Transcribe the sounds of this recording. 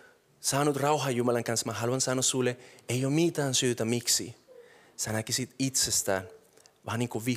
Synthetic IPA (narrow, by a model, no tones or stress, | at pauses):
sɑːnut̪rɑwɦɑjumɑlɑŋkɑnsmɑɦɑluɑnsɑnosulːeeijoːmmit̪æːnsyːt̪æmiksḭ | sænækisit̪it̪sest̪æ̰ːnʋɑːniːŋkuʋi